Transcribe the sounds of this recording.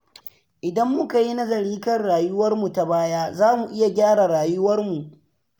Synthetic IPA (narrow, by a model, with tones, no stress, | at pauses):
ʔɪ˨dɐ˦mːʊ˦ka˨ji˦nɐ˦zɐ˨ɽiː˦kɐ˦rɽaː˨jʊ˦wɐ˦rmu˨ta˨baː˦jaː˦zaː˦mu˨ʔɪ˦ja˨ɡʲaː˦ɽa˨ɽaː˨jʊ˦wɐ˦rmu˨ʔ